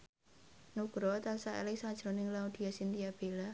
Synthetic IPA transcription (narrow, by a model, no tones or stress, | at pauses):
nuɡ̥ɾɔt̪asaḛlɪsad̥ʒ̥ɾɔnɪŋlaud̪̥i̤asint̪ijab̥ela